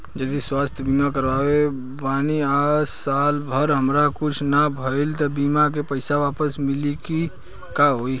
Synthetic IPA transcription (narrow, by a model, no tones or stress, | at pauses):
d͡ʒəd̪iswaːst̪ʰjəbiːmakəɾaːʋe | baːniaːsaːlbʱəɾɦəmɾakʊt͡ʃʰnabʱəɪlt̪ɐbiːmak̬epəɪsaʋaːpəsmɪliki | kaɦoːi